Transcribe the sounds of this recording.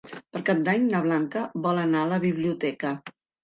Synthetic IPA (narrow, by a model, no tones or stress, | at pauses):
pəɾkap̚d̪aɲnəβ̞laŋkəβɔlənaələβiβliut̪ɛkə